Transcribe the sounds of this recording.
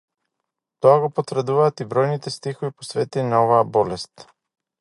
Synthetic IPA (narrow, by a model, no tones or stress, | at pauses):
t̪oaɡopot̪vɾd̪uvaːt̪ibɾɔjnit̪ɛst̪ixoviposvɛt̪iinaɔvaabɔlɛst̪